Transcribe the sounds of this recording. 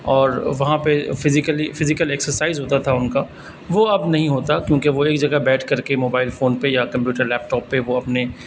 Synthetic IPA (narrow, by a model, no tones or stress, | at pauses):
ɔːɾʋɐɦãpefɪzɪkəlifɪzɪkəlɛksəɾsaːɪzɦoːt̪at̪ʰaʊnka | ʋoɐbnɐɦĩɦoːt̪akjõːkeʋoeːkd͡ʒɐɡəbɛːʈʰkɐɾkemoːbaːɪlfoːnpejakɐ̃mpjuːʈəɾlɛːp̚ʈɔːpːeʋoɐpne